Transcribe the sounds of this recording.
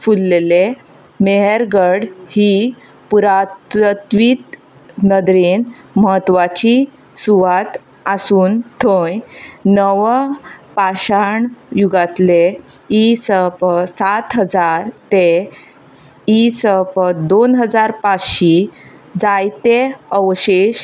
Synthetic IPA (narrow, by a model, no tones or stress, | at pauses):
fulːele | meɦəɾɡəɽhi | puɾat̪t̪ʋiːt̪ | nəd̪ɾin | məɦət̪ːʋat͡ɕi | suʋat̪ | asuːnt̪ʰojnəʋpaɕaɳjuɡat̪le | isəpsat̪ɦəd͡zaɾt̪e | isəpd̪onɦəd͡zaɾpat͡sɕi | d͡zajt̪eəʋɕeɕ